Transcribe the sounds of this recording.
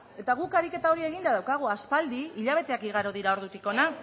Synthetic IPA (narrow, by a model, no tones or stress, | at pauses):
e̞t̪aɣ̞ukaɾike̞t̪ao̞ɾie̞ɣ̞ind̪aðawkaɣ̞uaspald̪iiʎaβ̞e̞t̪eakiɣaɾoðiɾao̞ɾðut̪iko̞na